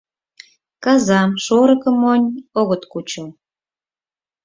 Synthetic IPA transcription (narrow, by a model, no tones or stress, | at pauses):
kɑzɑmʃoɾə̆kə̆monʲoɣət̪kut͡ɕə